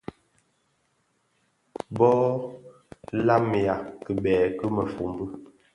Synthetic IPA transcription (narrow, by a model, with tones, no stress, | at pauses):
bɔ˦ | la˦m˨a˨kə˨bɛ˨kə˦mə˨fu˨mbə˦